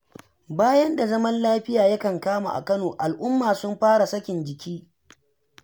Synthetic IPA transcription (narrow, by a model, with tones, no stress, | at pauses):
baː˦jɐ˦nda˨zɐ˦mɐ˦nlaː˦ɸɪ˦jaː˨jɐ˦kɐ˨ŋkaː˦ma̰˨ʔa̰˨kɐ˦noː˨ʔa˨lʔʊ˦mːaː˨sʊ˦mɸaː˦ɽa˨sɐ˦kʲɪ˨nd͡ʒɪ˨kʲʰiː˦